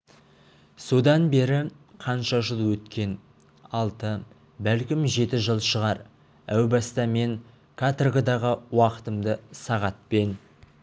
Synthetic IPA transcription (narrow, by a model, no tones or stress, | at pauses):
so̞d̪ɑnbe̞ɾɪ | qʰɑnʃɑʒəlˠwɵt̪kʲe̞n | ɑlˠt̪ə | bælkʲɪmʒe̞t̪ɪʒəlˠʃəʁɑɾ | æwbɑst̪ɑme̞ŋ | kʰat̪rɡəd̪ɑʁəwɑqə̥t̪əmd̪əsɑʁɑt̪̚pe̞n